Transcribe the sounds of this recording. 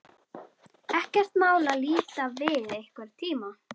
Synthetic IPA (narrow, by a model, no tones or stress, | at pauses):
ɛhcɛr̥t̪maːwlaliːt̪avɪðejhkvɛɾ̥t̪ʰiːma